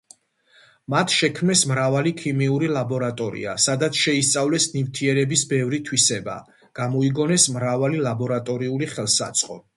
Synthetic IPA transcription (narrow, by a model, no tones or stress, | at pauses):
mat̪ʰʃɛkʰmɛsmɾavalikʰimiuɾilˠabɔɾat̪ʼɔɾḭa̰sad̪at̪sʰʃɛist̪sʼavlɛsnivt̪ʰiɛɾɛbisbɛvɾit̪ʰwisɛba̰ | ɡ̥amɔiɡɔnɛsmɾavalilˠabɔɾat̪ʼɔɾiuliχɛlˠsa̰t̪sʼqʼɔ